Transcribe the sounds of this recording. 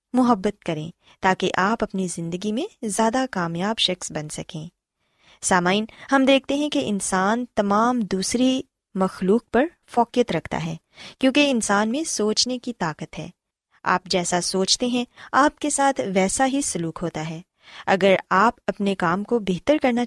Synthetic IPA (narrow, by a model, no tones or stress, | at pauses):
mʊɦəbːət̪̚kɐɾẽː | t̪aːkeʔaːpɐpnizɪ̃nd̪əɡimẽzjaːd̪akaːmjaːbʃɐxsbɐnsɐkẽː | saːmaːɪnhɐmd̪eːk̚ʰt̪eɦɛ̃keʔɪnsaːnt̪ɐmaːmd̪uːsɾi | mɐxluːk̚pɐɾ | fɔːkijət̪ɾɐkʰt̪a̰ɦɛː | kjõːkeɪnsaːnmẽsoːt͡ʃnekit̪aːkət̪ɦɛ̰ː | a̰ːp̚d͡ʒɛːsasoːt͡ʃt̪eɦɛ̃aːp̚kesaːt̪ʰʋɛːsaɦisʊluːkɦoːt̪aɦɛː | ɐɡəɾaːpɐpnekaːmkobeːɦt̪əɾkɐɾna